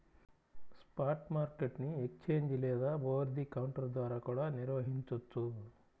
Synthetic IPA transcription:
spaːɾʈmaːɾkeʈniekst͡ʃeːɲd͡ʒilːɛjɐd̪ɐboːʋɐɾd̪ikɐwuɳʈɐɾd̪ʋaːɾɐkuːɽaniɾʋɐɦiɲt͡ʃut̪ːu

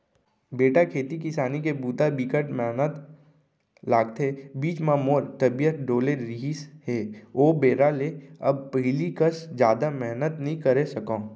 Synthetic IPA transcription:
beːʈakʰeːt̪ikɪsaːnikebuːt̪abiːkəʈmɛɦnət̪ | laːɡ̚t̪ʰebiːt͡ʃmãmoːɾt̪əbijət̪ɖoːleɾiɦisheːoːbeːɾaleɐb̚pəɦlikəsd͡ʒjaːd̪amɛɦnət̪nəɦĩkəɾesɐkõː

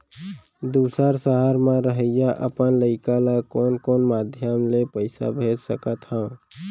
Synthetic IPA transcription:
d̪uːsəɾsəɦəɾmẽɾəɦəjaʔəpənləɪkalakɔːnkɔːnmad̪ʱjəmlepəɪsa̰bʱed͡ʒsəkət̪hə̃

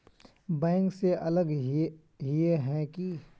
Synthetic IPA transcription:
bɛ̃ːŋkseʔɐləɡ | ɦieɦɛ̃ki

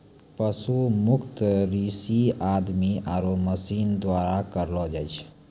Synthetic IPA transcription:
pəsumʊkʰt̪ɾisiad̪miaɾoməsiːnd̪waːɾakəɾlɔd͡ʒajt͡ʃʰ

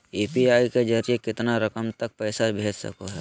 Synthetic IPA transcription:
eːpiaːiked͡ʒəɾijekɪt̪naɾɐkəmt̪ɐk̚pɛːsabʱeːd͡ʒsɐ̰koɦɛː

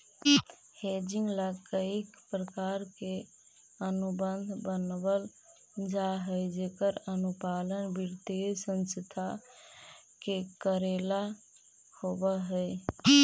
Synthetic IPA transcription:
hed͡ʒiŋɡlakəikpɾəkaɾke | ənubənd̪ʱbənbəl | d͡ʒaɦəjd͡ʒekəɾənupalənbiɾt̪esə̃nst̪ʰa | kekəɾela | hobəɦəj

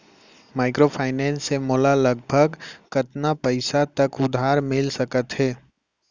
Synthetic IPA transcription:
maːɪkɾopʰaːɪnɛ̃ːnsːemoːlalɐɡ̚bʱəɡkɐt̪napəɪsat̪ɐkʊd̪ʱaːɾmɪlsəkət̪ɦɛː

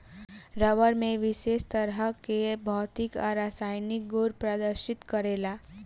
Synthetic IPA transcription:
ɾəʋəɾmẽʋɪʃest̪əɾɦəkebʱɔːt̪ɪkɔ̰ɾaːsaːjnɪk̚ɡoɾpɾad̪əɾʃɪt̪kəɾelaː

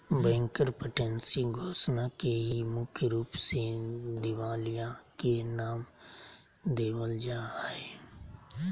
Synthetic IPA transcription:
bɛ̃ːŋkəɾpəʈeːnsiɡʱoːsnakeɦiimʊkʰjəɾuːpsed̪ɪʋaːlijãkenaːm | d̪eːʋəld͡ʒaːeː

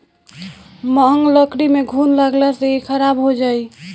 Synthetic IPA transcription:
məɦŋɡləkɾimeɡʱunlaɡlɛsəikʰəɾabɦod͡ʒaj

